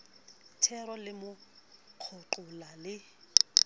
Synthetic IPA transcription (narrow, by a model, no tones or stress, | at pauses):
tʰɛrɔlɪmʊq͡χʰʊǃʊlalɪ